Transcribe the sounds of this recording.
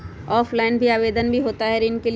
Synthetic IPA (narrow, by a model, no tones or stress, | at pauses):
ɔːfʰlaɪnbʱiaːʋeːd̪ənbʱiɦoːt̪aɦɛɾiːnkel